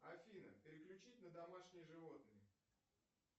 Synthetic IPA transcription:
ɐfʲinə̰pʲɪɾʲɪklʲʉt͡ɕitʲnəd̪ɐmaʂnʲɪjəʐɨvo̞t̪̚nɨjə

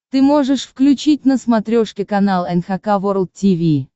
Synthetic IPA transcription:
t̪ɨmoʐɨʂfklʲʉt͡ɕit̚ʲnəsmɐt̪ɾʲoʂkʲɪkɐnɑlˠɛnxɐkavoɾəlˠt̪̚tʲivʲi

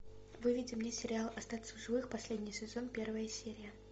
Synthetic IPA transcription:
vɨvʲidʲɪmnʲesʲɪɾʲɪalˠɐst̪at̪ʲsəʊʐɨvɨxpɐsʲlʲedʲnʲɪjsʲɪzo̞npʲe̞rvəjəsʲeɾʲɪjə

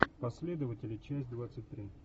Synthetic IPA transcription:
pɐsʲlʲe̞d̪əvətʲɪlʲɪt͡ɕæsʲt̚ʲd̪vat̪sɨtʲt̪ɾʲi

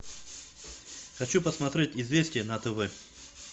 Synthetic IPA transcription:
xɐt͡ɕupəsmɐt̪ɾʲetʲɪzvʲesʲtʲɪjənɐt̪əvɛ

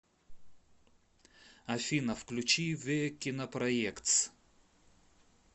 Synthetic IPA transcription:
ɐfʲinɐfklʲut͡ɕivekʲinɐpɾɐjɛkt̪s

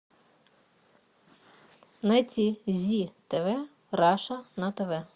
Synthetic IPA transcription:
nɛt͡sʲizʲit̪eʋɛ | ɾɑʃɐnɐt̪eʋɛ

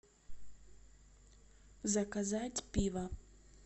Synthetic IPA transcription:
zɐkɐzatʲpʲiʋɐ

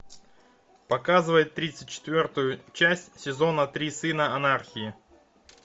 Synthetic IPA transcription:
pɐkazɨvəjɪt̪ːɾʲit̪sɨt̚ʲt͡ɕɪ̥t̪vʲo̞rt̪ʊjʊt͡ɕæsʲtʲsʲɪzo̞nət̪ɾʲisɨnəɐnarxʲɪɪ

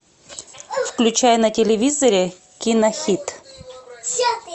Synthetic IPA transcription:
fklʲʉt͡ɕajnətʲɪlʲɪvʲizəɾʲɪ | kʲinɐxʲit̪

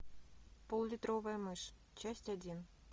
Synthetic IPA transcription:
polˠlʲit̪rovɑjmɤʂ | t͡ɕɑsʲtʲɑdʲin

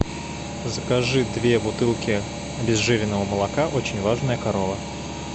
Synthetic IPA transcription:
zəkɐʐɨd̪vʲebʊt̪ɨlˠkʲɪ | ɐbʲɪzʐɨvʲɪnːəvəməlˠɐkaʔot͡ɕɪnʲvaʐnəjəkɐɾovə

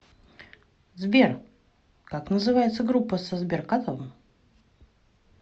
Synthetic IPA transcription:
zbʲer | kaknəzɨvajɪt̪səɡɾupːəsəzbʲerkat̪ovəm

